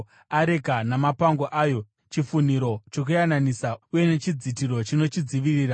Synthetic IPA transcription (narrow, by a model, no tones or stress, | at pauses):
aɾe̞kanamapaŋɡo̞ʔaːjo̞ | t͡ʃifun̤iɾo̞t͡ʃo̞k̬ujananisauje̞ne̞t͡ʃid͡zitiɾo̞t͡ʃino̞t͡ʃid͡ziʋiriːɾa